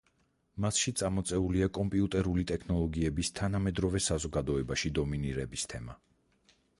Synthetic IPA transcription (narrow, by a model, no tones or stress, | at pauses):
masʃit̪sʼamɔt̪sʼɛuliakʼɔmpʼiut̪ʼɛɾulit̪ʼɛkʰnɔlˠɔɡiɛbist̪ʰanamɛd̪ɾɔvɛsazɔɡad̪ɔɛbaʃid̪ɔminiɾɛbist̪ʰɛma